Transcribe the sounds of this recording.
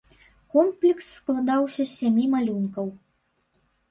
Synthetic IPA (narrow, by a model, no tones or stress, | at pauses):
kɔmplʲiksːklˠad̪awsʲɐsʲamʲimalʲunkɐw